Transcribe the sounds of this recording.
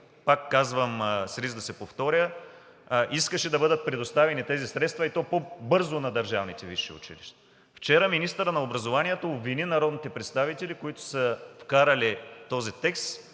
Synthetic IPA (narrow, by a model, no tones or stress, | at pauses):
pakːazvəmsɾizd̪ɐsɛpoft̪ɔɾʲjə | ʔiskəʃɛd̪ɐbɤd̪ət̪̚pɾɛd̪ost̪avɛnit̪ɛzisɾɛt̪st̪vɐit̪ɔpobɤɾzʊnɐd̪ɐɾʒavnit̪ɛvḭʃːḭʊ̰t͡ʃḭlḭʃt̪ɛ̥ | ft͡ʃɛɾəminist̪əɾənɐobɾɐzovaniɛt̪oːbvininɐɾɔd̪nit̪ɛpɾɛt̪st̪avit̪ɛlikoit̪ʊ̥səfkaɾɐlit̪ɔzit̪ɛkst̪